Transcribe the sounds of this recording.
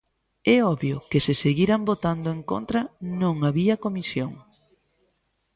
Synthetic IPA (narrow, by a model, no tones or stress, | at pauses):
ɛɔβjʊkesɪseɣiɾambot̪and̪oeŋko̰nt̪ɾɐnõŋaβiɐkomisjoŋ